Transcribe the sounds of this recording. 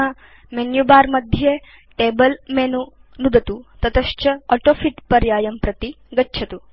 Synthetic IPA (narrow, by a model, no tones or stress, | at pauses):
ɐ | menjubaːɾmɐd̪ʱje | ʈeːbɐlmenu | nud̪ɐt̪ut̪ɐt̪ɐʃt͡ʃɐɔʈoːfʰiʈpɐɾjaːjɐmpɾɐt̪i | ɡɐtːʃʰɐt̪u